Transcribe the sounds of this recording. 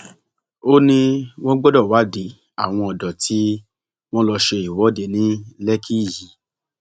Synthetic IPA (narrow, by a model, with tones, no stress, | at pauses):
o˦nĩ˧w̃ɔ̃˦ɡ͡bɔ˦dɔ˦˨wa˨˦de˨˦ | a̰˦˨w̃ɔ̃˧ɔ˨dɔ˨tʰi˨˦ | w̃ɔ̃˦lɔ˧ʃe˧i˨wɔ˨˦de˧nĩ˦lɛ˦kʰi˦˨ji˨˦